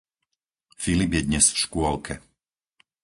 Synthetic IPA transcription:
filibjɛd̪ɲɛsfʃkʊɔlkʰɛ

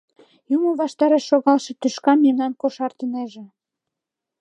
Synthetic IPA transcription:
juməβɑʃt̪ɑɾeʃːoɣɑlʃĕt̪yʃkɑmemnɑnkoʃɑrt̪əneʒĕ

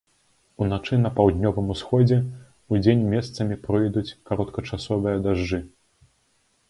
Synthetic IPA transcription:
unat͡ʂɨnɐpawd̪ʲnʲɔvɨmusxɔd͡zʲɛ | ud͡zʲenʲmʲɛst̪sɐmʲipɾɨjd̪ut͡sʲkaɾɔt̪kɐt͡ʂasɔvɨjɐd̪aʐd͡ʐɨ

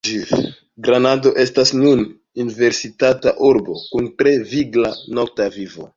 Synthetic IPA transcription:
d͡ʒif | ɡɾanado̞ʔe̞stasnun | unive̞ɾsitataʔuɾbo̞̰kuntɾe̞viɡlano̞k̚tavivo̰

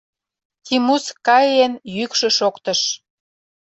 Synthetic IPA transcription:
kimuskɑjenjykʃø̆ʃokt̪ə̆ʃ

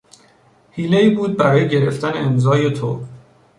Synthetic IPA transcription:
hiːleiːbuːd̪̚bæɾɒːjeɟe̞ɾe̞ft̪æneːmzɒːje̞t̪ʰo̰

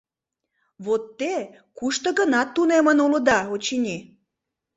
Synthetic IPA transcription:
βot̪ːe | kuʃt̪əɣənɑt̪ːunemənuləd̪ɑot͡ɕinʲi

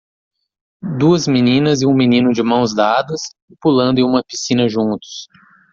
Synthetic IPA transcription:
d̪uɐzminĩnɐzɪũminĩnʊd͡ʒɪmɐ̃w̃zd̪ad̪ɐs | ɪpulɐ̃nd̪ʊẽũmɐpisĩnɐʒũnt̪ʊ̥s

